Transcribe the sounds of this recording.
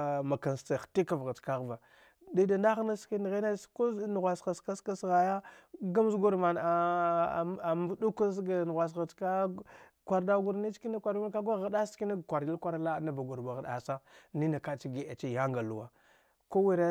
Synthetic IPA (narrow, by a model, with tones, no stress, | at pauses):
ma˨ka˨nsta˨xti˦ka˨vɣa˨t͡ʃka˦ɣva˨ | da˦da˨nda˦ɣna˦ski˦n˨ɣe˦na˦sko˦n˨ɣʷa˨sxa˨ska˦ska˦sɣa˨ja˦ɡa˦m˦zɡu˦ɾma˨na˨ | m˦du˦ka˦s̬ɡa˨n˨ɣa˨s̬ɣa˨t͡ʃka˦kʷa˨ɾda˦ɡu˨ɾni˦t͡ʃki˦na˦kʷa˨ɾu˦n˦ka˦ɡʷa˦ɣa˨da˦ski˦na˦˨kʷa˨ɾi˦lkʷa˦ɾa˦la˦na˨ba˨ɡu˨ɾba˨ɣa˨ɗa̰˨sa˦ni˦na˨ka˦t͡ʃi˦ɡi˦˨a˨t͡ʃi˦ja˦ŋɡa˨lṵ˦˨wa˦ | ko˦wi˦ɾa˦